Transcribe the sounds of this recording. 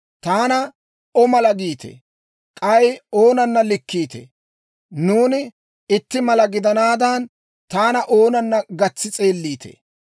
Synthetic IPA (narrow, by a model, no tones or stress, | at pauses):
t̪aːnɐ | ɔmɐlɐɡiːt̪ḛ | kʼɐjoːnɐnːɐlɪkːiːt̪ḛ | nuːnɪ | ɪt̪ːɪmɐlɐɡɪd̪ɐnaːd̪ɐːn | t̪aːnɐʔo̞ːnɐnːɐɡɐt͡sːɪt͡sʼe̞ːlːiːt̪ʰḛː